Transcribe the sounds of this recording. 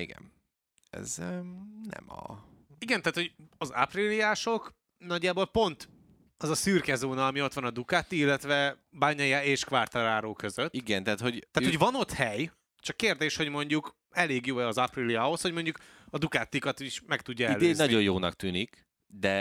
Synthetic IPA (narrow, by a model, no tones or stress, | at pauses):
iɡɛ̰n | ɛ̰z | nɛ̰mɒ̰ | iɡɛnt̪aːt̪ho̞ɟɒza̰prilijaːʃo̞k | nɒɟːaːboːlpo̞nt̪ | ɒzɒsyrkɛzoːnɒːmio̞t̪ʋɒnɒd̪ukaːt̪ːiilːɛt̪ʋɛ | baːɲɒjaeːʃkʋart̪ɒɾaːɾoːkø̞zøt̪iɡɛnt̪aːt̪hoɟ̪ːaːt̪ho̞ɟvɒno̞t̪hɛj | t͡ʃɒkːeːrd̪eːʃho̞ɟmo̞ɲɟuk | ɛleːɡjoːɛɒzɒprilijaɦo̞sho̞ɟmo̞ɲɟuk | ɒd̪ukaːt̪ːikɒt̪iʃmɛkt̪uɟːɒɛlːd̪eznɒɟo̞joːnɒ̰k̚t̪yːnik | d̪ɛ